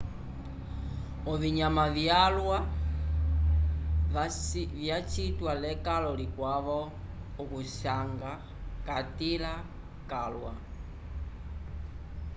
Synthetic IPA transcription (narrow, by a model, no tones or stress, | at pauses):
ɔviɲamavjalwa | vjat͡ʃitwalɛkalɔlikwaβɔ | ukuʃaŋɡa | katila | kalwa